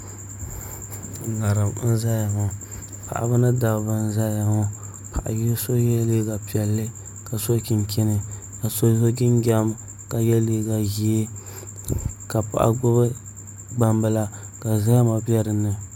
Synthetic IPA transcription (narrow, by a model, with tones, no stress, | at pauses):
ŋa˨ɾɨ˨mn̩˦za˦ja˨ŋɔ˨ | pʰa̰˨ʔa̰˨bɨ˦nɨ˦da˨bɨ˨n˦za˦ja˨ŋɔ˦ | pʰa˨ʔa̰˨ji˦so˦jɛ˦le˦ɡa˨pi˨ɛ˨lːɨ˦ | ka˨so˦kʲɪ˨nkʰɪ˦nɨ˨ | ka˨so˦o˦ɡɪ˦nɡʲa˦m | ka˨jɛ˦leː˦ɡa˨ji˦e˦ | ka˨pa̰˨ʔa̰˨ɡ͡bʊ˦βɨ˦ | ɡ͡ba˨mbɨ˨la˦ | ka˨za˦ja˦ma˨pi˦ɛ˦ɾɨ˨nɨ˨